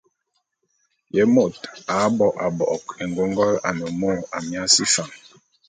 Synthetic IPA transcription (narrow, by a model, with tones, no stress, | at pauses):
jɛ˨˦mo˦˨ta˨˦bɔ˨ʔa˨bɔ˨ʔɔ˨ke˨ŋ˨ɡo˦ŋɡɔ˦la̰˨nɛ˨mo˦˨a˨mja˦si˦fa˨ŋ